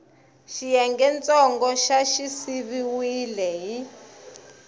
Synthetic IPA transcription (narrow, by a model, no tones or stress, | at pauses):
ʃijɛŋɡɛnt͡sʼɔŋɡɔʃaʃisiβiwilɛɦi